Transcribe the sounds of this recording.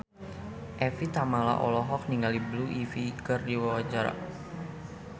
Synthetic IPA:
ʔɛfit̪amala̰ʔɔlɔɦɔk̚niŋalibluʔifikɨrdiwawad͡ʒaɾa̰

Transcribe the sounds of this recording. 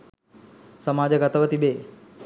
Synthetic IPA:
sɐmaːd͡ʒəɡat̪ɐʋət̪ibeː

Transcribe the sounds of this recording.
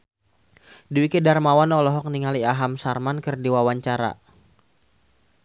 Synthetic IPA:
diwikedarmawanɔlɔɦɔk̚niŋaliaɦamsarmankɨrdiwawaɲt͡ʃaɾa̰

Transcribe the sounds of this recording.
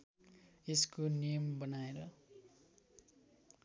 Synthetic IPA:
eskonijʌmbʌnaeɾʌ

